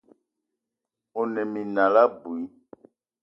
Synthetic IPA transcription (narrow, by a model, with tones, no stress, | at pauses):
o˨nɛ˨mĩ˨nã˨la˦bu˨i˦